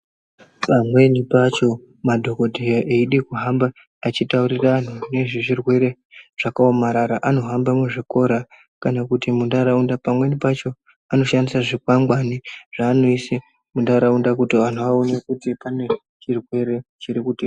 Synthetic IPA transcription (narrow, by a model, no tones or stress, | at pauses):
pamwe̞nipat͡ʃo̞ | madʱo̞ko̞dʱejaʔeiɗekuɦambaː | t͡ʃitauɾiraan̤une̞ʐeʐirwe̞ɾe̞ | ʐ̥akaomaɾaɾaʔano̞ɦambamuʐiko̞ɾa | kanakutimundaɾaundapamwe̞nipat͡ʃo̞ | ano̞ʃandisaʐikwaŋɡwaniʐ̥aːno̞ise | mundaɾaundakutiʋan̤oʋaonakutipane̞ | t͡ʃirwe̞ɾe̞t͡ʃiɾikuti